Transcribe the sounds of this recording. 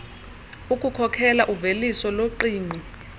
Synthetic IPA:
ukʼukʰɔkʰɛlaʔuvelisɔloǃiːŋ͡ǀi

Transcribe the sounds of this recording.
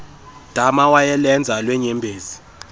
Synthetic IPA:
d̥ʱamawajɛlɛnd͡zʱalwɛɲɛmbʱeːzi

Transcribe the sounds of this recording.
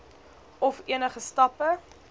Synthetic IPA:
ɔfiənəχəstɐpə

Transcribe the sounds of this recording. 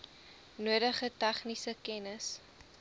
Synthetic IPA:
nuədəχətæχnisəkɛnəs

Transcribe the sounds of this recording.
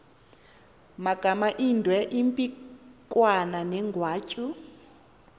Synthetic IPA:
maɡ̥ʱamaʔindʱwɛʔimpʼikʼwananɛŋɡʱwaːt͡ʃʼu

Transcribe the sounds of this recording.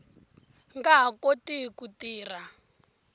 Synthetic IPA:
ŋɡaɦakotikutiːra

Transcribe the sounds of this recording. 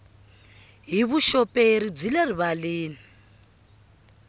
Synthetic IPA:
ɦiβuʃɔpʼeɾib͡ʐileriβaleːni

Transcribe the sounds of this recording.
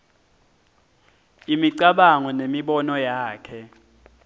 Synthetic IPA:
imiǀaɓaŋɔnemiɓɔnɔjaːkʰɛ

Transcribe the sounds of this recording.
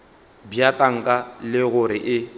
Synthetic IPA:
bjatʼaŋ̩kʼalɪɣʊɾɪʔɪ

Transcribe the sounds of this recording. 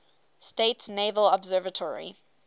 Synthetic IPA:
steɪtsneɪvəlɔbzɜːvətʰɔɹḭ

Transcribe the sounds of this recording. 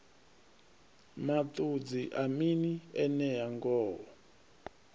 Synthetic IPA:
matud͡ziʔaminiɛnɛjaŋɡɔːɔ

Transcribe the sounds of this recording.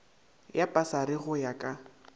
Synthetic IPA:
japʼasaɾɪɣʊjakʼa

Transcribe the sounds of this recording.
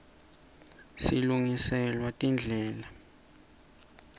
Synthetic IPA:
siluŋisɛlwatʼind͡ɮʱɛːla

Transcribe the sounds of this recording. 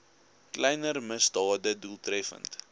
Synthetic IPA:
klɛjnərməsdɑːdəduəlˠtrɛfə̰nt

